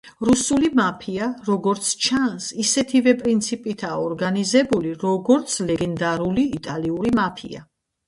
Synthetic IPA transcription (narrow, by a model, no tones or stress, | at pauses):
ɾusulimapʰiaɾɔɡɔɾt̪sʰt͡ʃʰansisɛt̪ʰivɛpʼɾint̪sʰipʼit̪ʰaːɔɾɡanizɛbuliɾɔɡɔɾt̪sʰlɛɡɛnd̪aɾuliːt̪ʼaliuɾimapʰḭa̰